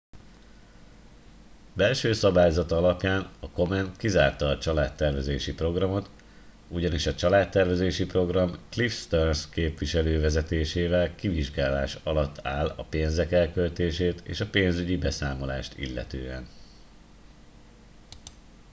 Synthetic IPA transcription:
bɛlʃøːsɒbaːjozɒt̪ɒlɒpjaːnɒko̞mɛnt̪kiza̰ːrt̪ɒːt͡ʃɒlaːt̪ːɛrvɛzeːʃipro̞ɡrɒmo̞t̪ | uɟɒniʃɒt͡ʃɒlaːt̪ːɛrvɛzeːʃipro̞ɡrɒmklifst̪ørskeːpʋiʃɛløːvɛzɛt̪eːʃeːvɛlkiviʒɡaːlaːʃɒlɒt̪ːaːlɒpeːnzɛkɛlkølt̪eːʃeːt̪ḛːʃɒpeːnzyɟibɛsaːmo̞la̰ːʃt̪ḭlːɛ̰t̪ø̰ːɛn

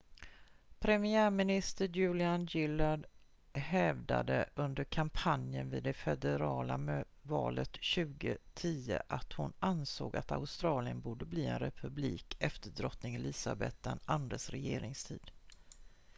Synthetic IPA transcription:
pʰɾɛmɪæːɾmɪnɪst̪əɾjʉ̟ːlɪanjɪlaɖ | hɛvd̪a̰d̪əʔɵnd̪əɾkʰampʰanjənvɪd̪d̪ɛfɛd̪ɛɾɑːlam | vɑːlət̪ɕʉ̟ːɡət̪ʰiːə̰ʔat̪hʊnanso̰ːɡat̪a̰ʊst̪ɾɑːlɪənbuːɖəbliːɛnɾɛpʰɵbliːkʰɛft̪əɖɾɔt̪nɪŋɪliːsa̰bɛt̪̚d̪ɛnand̪ɾasɾɛjeːɾɪŋst̪ʰiːd̪̥

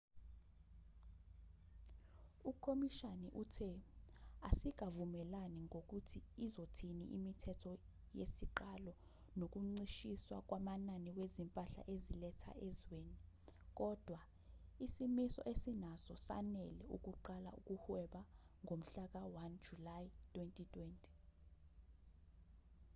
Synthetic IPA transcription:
ukʰomiʃanɛʔutʰɛ | asik̬avumɛlaniŋok̬utʰiːzotʰiniʔimitʰɛtʰɔ | jesiǃalɔ | nok̬uŋ͡ǀiʃiswa̰k̬ʼwamananiwezimpʼaɬa̰ʔezilɛtʰa̰ʔezweːni | k̬ʼɔd̥ʱwa | isimisɔ̰ʔesinazɔsa̰nɛlɛuk̬uǃala̰uk̬ʼuhwɛɓa | ŋom̩ɬak̬awand͡ʒulaitʼwentʼitʼwentʼi̥

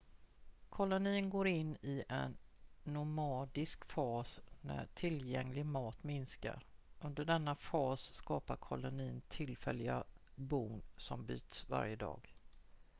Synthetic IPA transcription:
kʰɔlʊniːnɡoːɾɪnːɪʔɛnːʊmɑːd̪ɪskfɑːsnæ̰ʈʰɪljɛŋlɪɡmɑːt̪mɪnska̰ɾɵnd̪əɖɛnːafɑːsskɑːpaɾkʰɔlʊniːnt̪ʰɪlfɛlːɪɡabuŋsɔmby̰ːt̪sva̰ɾjəd̪ɑ̰ːɡ

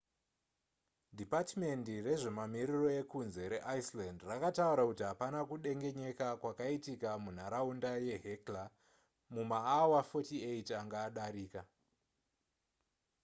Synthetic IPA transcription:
dʱipatme̞ndire̞ʐe̞mamiriro̞e̞kunze̞ɾe̞ʔaislandrakatauɾakutiɦapanakuɗe̞ŋɡe̞ɲe̞kakwakaitikamun̤aɾaundaje̞ɦekla | mumaːwafo̞tieitaŋɡaːɗaɾiːka

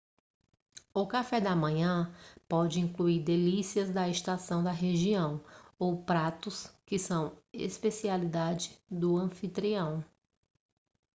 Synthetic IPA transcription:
ʊkafɛd̪ɐmɐ̃ɲɐ̃pɔd͡ʒɪĩŋkluiɾd̪elisiɐzd̪ɐest̪asɐ̃w̃d̪ɐɦeʒiɐ̃w̃owpɾat̪ʊskɪsɐ̃w̃ḛspesialid̪ad͡ʒɪd̪ʊɐ̃fit̪ɾiɐ̃w̃

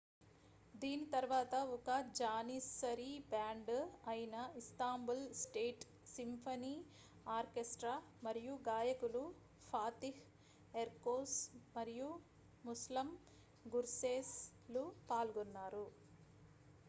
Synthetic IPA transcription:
d̪iːnit̪ɐɾʋaːt̪ɐɔkɐd͡ʒaːnisɐɾibaːɳɖɐjinɐist̪aːmbulsʈeːʈ | simpʰɐniː | aːɾkesʈɾaː | mɐɾijuɡaːjɐkulu | pʰaːt̪ih | eɾkoːsmɐɾiju | muslɐm | ɡuɾseːs | lupaːlɡɔnːaːɾu

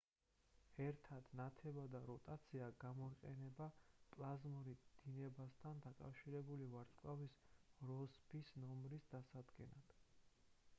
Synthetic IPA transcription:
ɛɾt̪ʰad̪̥nat̪ʰɛbad̪aɾɔt̪ʼat̪sʰiaɡamɔiqʼɛnɛbapʼlˠazmɔɾid̪̥inɛbast̪ʰand̪akʼa̰fʃiɾɛbulivaɾt̪sʼkʼavisɾɔspʰisnɔmɾisd̪̥asad̪ɡɛnad̪̥

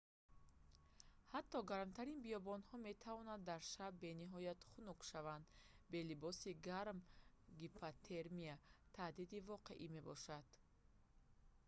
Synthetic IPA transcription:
hat̪ʰːɔɡaɾmt̪ʰaɾinbijɔbɔnhɔme̞t̪ʰavɔnad̪ːaɾʃabbe̞niɦɔjat̪χunukʃavand̪be̞libɔsiɡaɾmɡipʰat̪ʰeɾmiat̪ʰad̪id̪ivɔqe̞̰ʔime̞bɔ̰ʃad̪̥

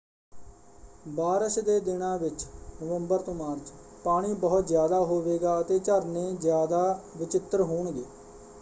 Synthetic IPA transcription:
baːɾəʃd̪eːd̪ɪnãːʋɪt͡ʃnəʋəmbəɾt̪õːmaːɾt͡ʃ | paːɽ̃iːbəɦʊt̪zjaːd̪aːɦoːʋeːɡaːət̪eːt͡ʃəɾnẽːzjaːd̪aːʋɪt͡ʃɪt̪ːəɾɦoːɳɡeː

